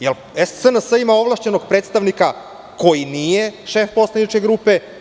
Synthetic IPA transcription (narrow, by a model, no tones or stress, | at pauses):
jelˠ | essənəsəimao̞ʋlˠaʃt͡ɕe̞noɡ̥̚pɾet̪st̪aʋnika | ko̞jinijeʃe̞fpo̞slˠanit͡ʃkʲeɡɾupe̞